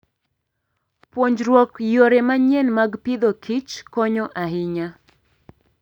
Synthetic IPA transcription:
pwoɲd͡ʒɾwɔkjoɾɛmaɲenmaɡpid̪okʰit͡ʃkɔɲɔʔaɦɪɲa

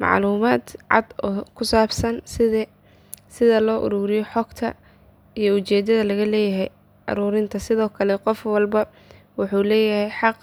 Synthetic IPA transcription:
mɑ̰ʕluːmaːd̪ʕɑ̰d̪ɔːkʰʊsaːbsɐnsɪðɛ | sɪðɐlɔːʔʊ̰ɾuːɾɪjɔħɔɡt̪ʰɐ̰ | ijɞʊt͡ʃɛːd̪ɐðɐlɐɣɐlɛːjɐɦɛj | ʔɐ̰ɾuːɾɪnt̪ʰɐsɪðɔːkʰɐlɛqɔfwɑlbɐ | wʊħuːlɛːjɐhɛjħɑq

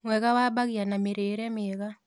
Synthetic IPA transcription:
ŋwɛkawabaɡjanameɾeːɾɛmɪɛka

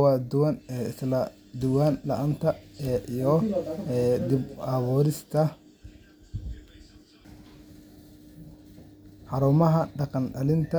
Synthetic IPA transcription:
wɑːd̪ʊwɐnɛɪslɐ | d̪ʊwaːnlɐʔɐnt̪ʰɐʔijɔ | d̪ɪbawɔːɾɪst̪ʰɐ | ħɑɾuːmɐɦɐɖɑqɑnɖɐlɪnt̪ʰɐ

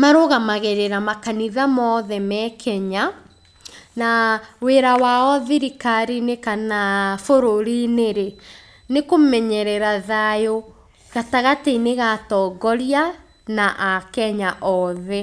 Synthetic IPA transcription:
maɾoɣamaɣeɾeɾamakaniðamɔðɛmɛkʰɛɲa | naweɾawaɔðiɾikaɾinekanafoɾoɾineɾe | nekomɛɲɛɾɛɾaðajo | ɣataɣateneɣatɔːɡɔɾja | naʔakɛɲaʔɔðɛ

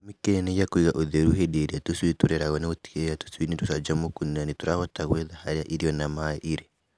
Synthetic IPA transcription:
mikɛnɛjakuiɣaʔoðɛɾuɦɛɗeɾiatuswituɾɛɾaɣɔnauti̥ɛjatu̥suinitusad͡ʒamukuninanituɾahɔtaɣwɛðahaɾiaʔiɾiɔnamaɛʔiɾɛ

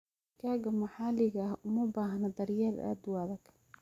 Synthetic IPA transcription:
kʰaːɡɐmɐħaːlɪɣɐhʊmɐbaːɦɐnɐd̪ɐɾjala̰ːd̪waːðɐkʰ

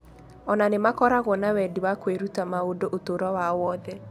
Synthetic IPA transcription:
ɔnanemakɔɾaɣwɔnawɛdiwakweɾutamaodoʔotoɾɔwawɔːðɛ

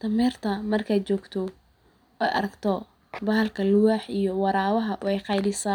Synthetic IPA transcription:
t̪ʰɐmɛːrt̪ʰɐmɐrkʰaːt͡ʃɔːɡt̪ʰɔ | ɛjʔɐ̰ɾɐɡt̪ʰɔ | bɐɦɐlkʰɐlʊwaːħijɔwɑɾaːwɐɦɐʔʊɛjqɑjlɪsɐ

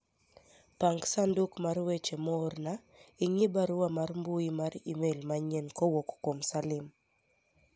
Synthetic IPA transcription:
paŋɡsandukmarwet͡ʃemɔrna | ɪŋibaɾʊwamarmbuimaɾḭmelmaɲɛnkowokkomsalɪm

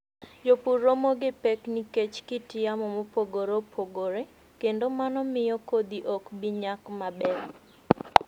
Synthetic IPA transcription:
d͡ʒopuɾomoɡepekniket͡ʃkɪtɪjamɔmopoɡoɾopʰoɡoɾe | kendomanɔmɪjɔkod̪iʔɔkbiɲakmabɛl

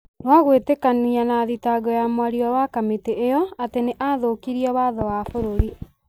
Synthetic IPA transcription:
nwaɣwetekanianaðitaɡɔjamwaɾiɔwakameteʔejɔateneʔaðokiɾiɛwaðɔwafoɾoɾi

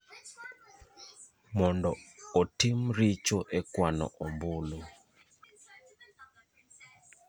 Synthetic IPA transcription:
mɔndɔotimɾit͡ʃoʔɛkwanɔ̰ʔɔmbʊlo

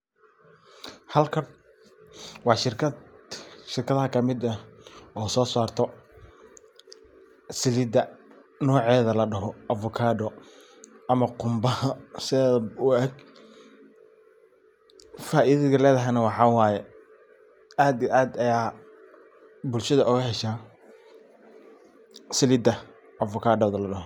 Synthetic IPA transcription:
hɐlkʰɐn | wɑːʃɪrkʰɐ | ʃɪrkʰɐðɐɦɐkʰɐmɪd̪ɐɔːsɔːsaːrt̪ʰɔ | sɪlid̪ɐ | nɔːʕɛːðɐlɐɖɐɦɔʔɐfʊkʰaːɖɔ | ʔɐmɐqʊmbɐhɐsɪðɛːðʊɐɡ | faːʔɪðɐɣɐlɛːðɐɦɛnɐwɑħɑːwɑːjɛ | aːd̪iʔaːd̪ɐjaː | bʊlʃɐðɐʔʊɣɐhɛʃaː | sɪlɪd̪ɐ | ʔɐfʊkʰaːɖɔːðɐlɐɖɐɦɔ

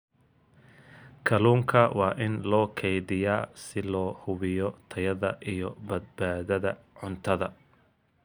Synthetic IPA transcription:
kʰɐluːŋkʰɐwɑːʔɪnlɔːkʰɛjðɪjaːsɪlɔːhʊβɪjɔt̪ʰɐjɐðɐʔijɔbɐd̪̚baːðɐðɐ̰ | ʕʊnt̪ʰɐðɐ

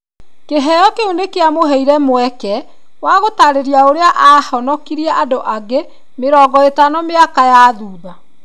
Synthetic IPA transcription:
keɦɛjɔkeunekeamoɦɛiɾɛmwɛkɛ | waɣotaɾeɾiaoɾeaʔahɔnɔkiɾiɛʔadoʔaɣe | meɾɔːɡɔetanɔmeakajaðuːða

